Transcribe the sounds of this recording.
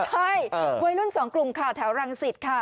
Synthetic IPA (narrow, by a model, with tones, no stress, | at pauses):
t͡ɕʰa˥˩jwaː˧jlu˥˨nsɔː˩˦ŋklu˨˩mkʰaː˧˩t̪ʰɛː˩˦wɾa˧ŋsi˨˩t̪̚kʰa˥˩